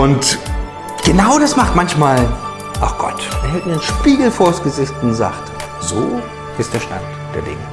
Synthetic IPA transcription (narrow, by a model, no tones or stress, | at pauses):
ʔʊnt | ɡ̥ənaʊdasmaχtmançmaːl | ʔaʊxɡ̥ɔ̰tɛhɛtmiːnʃpiːɡl̩foɐstɡ̥əzɪçtn̩za̰ːχt | z̥o̰ː | ʔɪstd̥eːɐʃta̰nt | d̥ḛːɐdɪ̰ŋə